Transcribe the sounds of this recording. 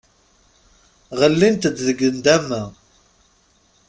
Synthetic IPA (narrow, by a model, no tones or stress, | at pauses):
ʁəlːint̪əd̪ðəɡənd̪æmːæ